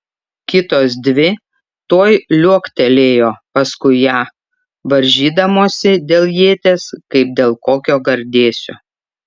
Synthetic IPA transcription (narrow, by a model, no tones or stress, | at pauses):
kʲɪt̪oːs̬d̪ʲʋʲɪ | t̪oːjlʲuɔkt̪ʲɛlʲeːjoːpɐskʊɪjæː | ʋɐɾʲʒʲiːd̪ɐmoːsʲɪd̪ʲeːlˠjiːt̪ʲeːskɐɪp̚d̪ʲeːlˠkoːkʲoːɡɐɾʲd̪ʲeːsʲoː